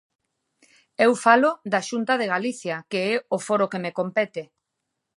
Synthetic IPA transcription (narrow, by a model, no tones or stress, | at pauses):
ewfalod̪aʃunt̪ɐðeɣaliθjakeɛofoɾokemekompɛt̪e